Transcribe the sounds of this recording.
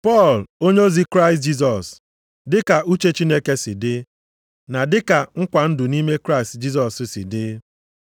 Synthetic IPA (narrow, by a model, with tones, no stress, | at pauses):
pɔ˦˨lo˦ɲo˦zi˦kɾa˦ɪ˨st̚d͡ʒi˦s̬ɔ˨s | dɪ˦ka˨ʔu˦t͡ʃe˦t͡ʃi˦ne˦ke˦sɪ˨dɪ˦ | na˨dɪ˦ka˨ŋ̩˦kʷa˨n̩˦dʊ˨ni˦me˦kɾa˦ɪ˨std͡ʒi˦s̬ɔ˨ssɪ̰˨dɪ˦